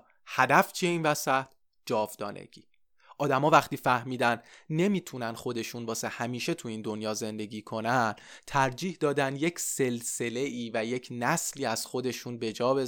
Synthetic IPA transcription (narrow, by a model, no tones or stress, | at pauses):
hæd̪æft͡ʃʰieiːnvæsæt̪ | d͡ʒɒːvd̪ɒ̰ːnʔḛɟ̥iː | ʔɒːd̪æmɒːvæχt̪iːfæhmiːd̪ænne̞miːt̪ʰunænd̪xo̞d̪e̞ʃuːnbɒːsehæmiːʃe̞t̪ʰuiːnd̪o̞njɒːze̞nd̪e̞ɟiːkʰo̞nænt̪ʰæɾd͡ʒiːhd̪ɒːd̪ænd̪je̞cʰse̞lse̞le̞iːvæje̞cʰnæsliːæz̥xo̞d̪e̞ʃuːnbe̞d͡ʒɒːbe̞